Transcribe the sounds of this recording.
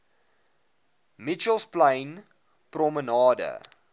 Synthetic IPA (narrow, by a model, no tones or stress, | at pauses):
mit͡ʃəlˠsplɐ̃jn | prɔmənɑːdə̰